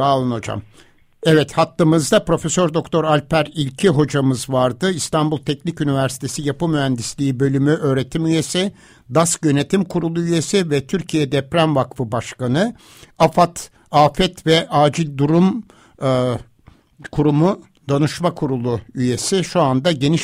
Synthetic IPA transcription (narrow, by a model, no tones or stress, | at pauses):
aːlˠɯnod͡ʒa̰m | ɛvɛt̪hat̪lːˠɯmɯzd̪apɾo̞fesøɾd̪o̞kt̪ʰoɾalʲpʰæɾilʲcʰiɦo̞d͡ʒamɯzvaɾd̪ɯist̪ʰanbulˠt̪ʰɛcnicynivæɾsi̥t̪ʰe̞sijapɯmyɦænd̪islʲiːbø̞lʲymyʔø̞ːɾe̞t̪ʰimyje̞si | d̪asɟø̞ne̞t̪ʰimkʰuɾulˠuyje̞sivɛt̪ʰyɾcʰijɛd̪ɛpɾænvakfɯbaʃkanɯ | afat̪ | aːfɛt̪vɛʔaːd͡ʒilʲd̪uɾum | kʰuɾumu | d̪anuʃmakʰuɾulˠuyje̞siʃuand̪aɟe̞niʃ